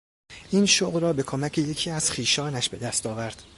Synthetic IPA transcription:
ʔiːnʃoɣɾɒːbe̞kʰomæcʰeje̞cʰiːæz̥xiːʃɒːnæʃbe̞d̪æst̪ɒːvæɾd̪̥

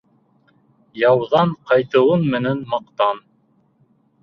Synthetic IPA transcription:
jɑwðɑɴqɑjt̪ɤ̆wɤnmɘ̆nænmɑqt̪ɑn

